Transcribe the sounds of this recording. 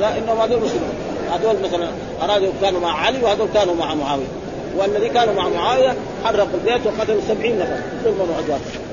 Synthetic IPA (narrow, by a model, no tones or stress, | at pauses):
laʔɪnːahʊmhad̪oːlmʊskɪl | had̪oːlmaθalan | ʔɑɾˤɑːd̪ukaːnumaʕʕaliwhaːd̪oːlkaːnumaʕmʊʕaːwɪja | wɪalːaðiːkaːnumaʕmʊʕaːwɪja | ħɑrˤːɑqalbeːt̪wɪqɑt̪alsabʕiːnmasal | d̪uːlmanuʕad̪wɑːɾˤ